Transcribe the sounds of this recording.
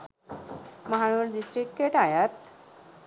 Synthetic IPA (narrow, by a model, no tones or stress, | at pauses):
məɦaɽ̃uːɾd̪isʈɾikːeʈajat̪